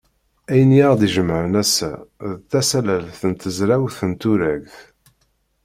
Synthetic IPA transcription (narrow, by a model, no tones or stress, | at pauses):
æjənjæʁd̪iʒəmːʕənæsæ̰ðt̪ːæsælælθənt̪əzɾæwθənt̪uɾæɡθ